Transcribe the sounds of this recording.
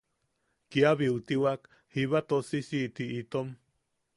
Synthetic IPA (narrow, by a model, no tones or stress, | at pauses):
kiaβiut̪iwak | hiβat̪osisit̪iʔit̪om